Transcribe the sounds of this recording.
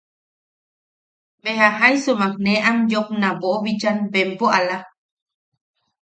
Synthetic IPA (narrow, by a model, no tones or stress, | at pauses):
beɦaɦajsumak̚neʔamjopnãboʔoβid͡ʒanbempoʔala